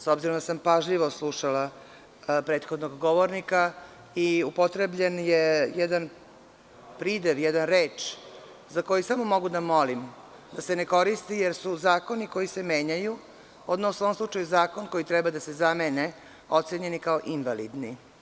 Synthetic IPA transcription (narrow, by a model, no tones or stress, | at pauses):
sobziɾomd̪asampaʒʎiʋoslˠuʃala | pɾeːt̪xod̪noɡɡoʋoɾnika | iupo̞t̪ɾebʎenjejɛd̪an | pɾid̪eʋjɛd̪anɾeːt͡ʃ | zako̞jisamo̞mo̞ɡud̪amo̞lim | d̪aseneko̞ɾist̪ijeɾsuzaːko̞niko̞jise̞meːɲaju | od̪nosoomslut͡ʂajuzaːkonko̞jit̪ɾɛbad̪ase̞zamene | ot̪seɲe̞nikaoʔinʋalḭd̪ni